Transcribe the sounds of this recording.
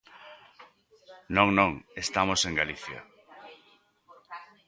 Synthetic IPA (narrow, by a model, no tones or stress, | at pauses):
nõŋnõŋest̪amoseŋɡaliθja̰